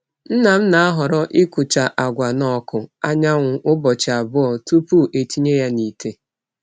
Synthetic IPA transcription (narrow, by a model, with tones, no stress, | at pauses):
n̩˦na˨m̩˦na˨a˦ɦɔ˨ɾɔ˦ʔɪ˦kʊ˨t͡ʃa˨ʔa˨ɡʷa˨nɔ˦kʊ˨a˦ɲa˦ŋʷʊ˨ʔʊ˦bɔ˨t͡ʃɪ˨a˨bʊ˦ɔ˨tu˦pu˦˨ʔe˨ti˦ɲe˦ja˦ni˨te˦